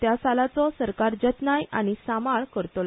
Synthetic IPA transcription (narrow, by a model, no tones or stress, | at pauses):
t̪jasalat͡sɔsəɾkaɾd͡ʑət̪najʔa̰ɽ̃isamaɭkəɾt̪ola